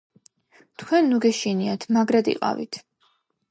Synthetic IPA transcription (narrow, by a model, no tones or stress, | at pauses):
t̪ʰkʰwɛnːuɡɛʃiniat̪ʰmaɡɾad̪ḭqʼa̰vḭt̪ʰ